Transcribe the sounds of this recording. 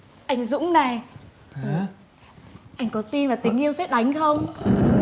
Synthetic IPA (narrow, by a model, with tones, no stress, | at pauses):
ʔa˧jŋ̟zʊ̰˧˥ŋ͡mna˨˩j | ʔa˧jŋ̟kɔ˨˦t̪i˧nvaː˨˩t̪ï˨˦ŋ̟ʔi˧əwsɛ˦˥ɗa˨˦jŋ̟xə˧wŋ͡m